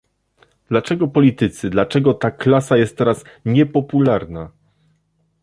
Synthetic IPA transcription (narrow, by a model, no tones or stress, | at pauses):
d̪̥lat͡ʂɛɡɔpɔlʲit̪ɘt̪sɘd̪lat͡ʂɛɡɔt̪aklasajɛst̪̚ːɛɾasɲɛpɔpulaɾna